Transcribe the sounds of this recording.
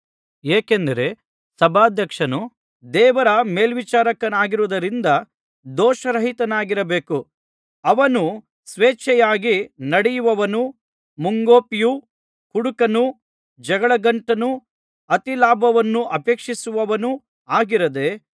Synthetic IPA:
eːkend̪ɐɾe̞ | sɐbʱaːd̪ʱjɐkʂɐnu | d̪ɛːʋɐɾɐmeːlʋit͡ʃaːɾɐkɐnaːɡiɾuʋud̪ɐɾind̪ɐ | d̪ɔːʃɐɾɐɦit̪ɐnaːɡiɾɐbeːku | ɐʋɐnu | sʋeːt͡ʃɛjaːɡinɐɽɛjuʋɐʋɐnu | muŋɡoːpiju | kuɽukɐnu | d͡ʒɐɡɐɭɐɡɐɳʈɐnu | ɐt̪ilaːbʱɐʋɐnːuʔɐpe̞ːkʂisuʋɐʋɐnu | aːɡiɾɐd̪e̞

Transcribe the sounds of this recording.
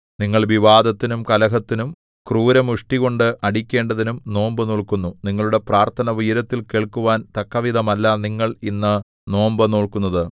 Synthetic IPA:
niŋːɐɭʋiʋaːd̪ɐt̪ːinumkɐlɐɦɐt̪ːinum | kruːɾɐmuʂʈiɣo̞ɳɖɨʔɐɽikʲːe̞ːɳɖɐðinumno̞ːmbɐnoːɭkunːuniŋːɐɭuɽe̞praːrt̪ʰɐnɐʋijɾɐt̪ːilke̞ːɭkuʋaːnt̪ɐkːɐʋid̪ɐmɐlːaniŋːɐɭinːɐ | no̞ːmbɐno̞ːɭkunːɐðɨ

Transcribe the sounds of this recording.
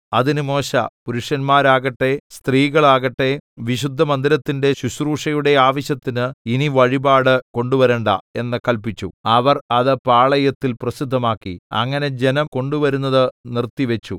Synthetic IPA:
ɐðinɨmo̞ːɕɐ̰puɾuʂjɐnmaːɾaːɣɐʈːe̞st̪riːɣɐɭaːɣɐʈːe̞ʋiɕud̪ʱːɐmɐnd̪iɾɐt̪ːinde̞ɕuɕruːʂɐjuɽe̞aːʋɐɕjɐt̪ːinɨiniʋɐɻibaːɽɨko̞ɳɖuʋɐɾeːɳɖɐ̰e̞nːɨkɐlpit͡ɕːṵɐʋɐrɐðɨpaːɭɐjɐt̪ːilprɐsid̪ʱːɐmaːkːḭɐ̰ŋːɐne̞d͡ʑe̞nɐmko̞ɳɖuʋɐɾunːɐðɨnirt̪iʋet͡ɕːu

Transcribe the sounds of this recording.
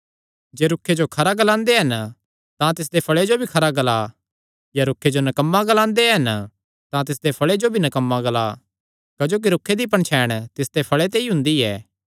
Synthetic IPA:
d͡ʒeːɾʊkʰːed͡ʒokʰɐɾaɡəlãːnd̪eɦɐn | t̪ãt̪ɪs̬d̪epʰɐɭed͡ʒobʱikʰɐɾaɡɐla | jaɾʊkʰːed͡ʒonɐkəmːaɡəlãːnd̪eɦɐn | t̪ãt̪ɪs̬d̪epʰɐɭed͡ʒobʱinɐkəmːaɡɐla̰ | kɐd͡ʒoːk̬iɾʊkʰːed̪ip̬ɐɳ̃t͡ʃʰɛːɽ̃t̪ɪsd̪epʰɐɭet̪̬eiɦʊ̃nd̪iɛː

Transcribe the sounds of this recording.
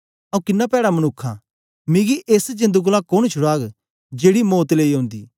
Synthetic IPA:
ãũkɪnːapɛːɽamɐnʊkʰːã̰ | mɪ̃ɡiʔeːsd͡ʒɐ̃nd̪uɡʊlakoñt͡ʃʰʊɽaːɡ | d͡ʒeːɽimoːt̪leːiɦõːnd̪ḭː

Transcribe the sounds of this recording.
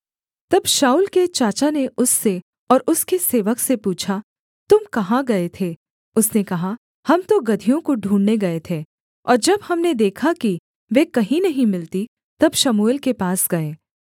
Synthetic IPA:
t̪ɐbʃaːuːlket͡ʃaːt͡ʃaneʔʊsːe | ɔːɾʊskeseːʋəksepuːt͡ʃʰa | t̪ʊmkɐɦãɡɐet̪ʰe | ʊsnekɐɦa | hɐmt̪oɡɐd̪ʱijõkoɖʱũːɳneɡɐet̪ʰeː | ɔːɾd͡ʒɐbhɐmned̪eːkʰaki | ʋeːkɐɦĩnɐɦĩmɪlt̪i | t̪ɐbʃɐmuːɪlkepaːsɡɐeː

